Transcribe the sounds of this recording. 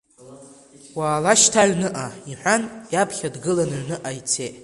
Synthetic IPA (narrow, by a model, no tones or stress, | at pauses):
waːlaʃtʰaʕnɨʔaiħʷanjapʰχʲadɡɨlanʕnɨʔait͡sʰeʔʼ